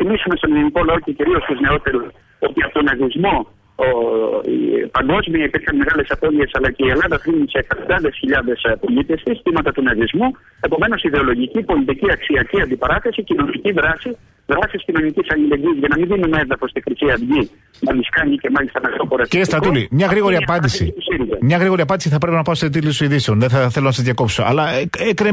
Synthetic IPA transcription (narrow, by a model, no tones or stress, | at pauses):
θimisume̞st̪o̞niliniko̞lɐo̞ce̞ciɾio̞st̪uzne̞o̞t̪e̞ɾus | o̞t̪iɐpot̪o̞nɐðizmo̞ | ḭpɐŋɡo̞zmiɐipiɾçɐnme̞ɣɐle̞sɐpo̞ðie̞sɐlɐce̞ielɐðɐxɾimnusekt̪ɐd̪ɐðe̞sçiʎɐðe̞spo̞lit̪e̞st̪isθimɐt̪ɐt̪unɐðizmu | e̞po̞me̞no̞siðe̞o̞lo̞ʝicipo̞lit̪̬iciɐksiɐciɐnd̪ipɐɾɐθesicino̞niciðɾɐsi | ðɾɐsiscino̞nicisɐʎile̞ɟiːzʝɐnɐmiðinumenðɐxo̞st̪ikɾisiɐðʝi | nɐmiskɐɲice̞mɐʎist̪ɐnɐɣt̪opoɾɐsɾist̪ɾɐulimɲɐɣɾiɣo̞ɾiɐpɐnd̪isḭt̪osiɾizɐmɲɐɣɾiɣo̞ɾiɐpɐndisiθɐpɾe̞pinɐpɐset̪ilisoiðiseonðeθɐθelo̞nɐsɐzʝɐko̞psoɐ̰lɐekɾe